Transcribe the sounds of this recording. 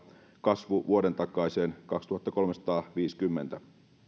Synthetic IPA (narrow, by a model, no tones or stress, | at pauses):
kɑsʋuʋuoɾe̞nt̪ɑkˑːɑjseːnkɑkst̪uhɑt̪ːɑko̞lmesɑ̥t̪ɑːʋiːskymːent̪æ